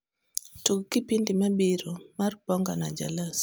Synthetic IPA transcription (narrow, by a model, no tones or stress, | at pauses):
tukkɪpindimabiɾomarpɔŋɡanad͡ʒa̰las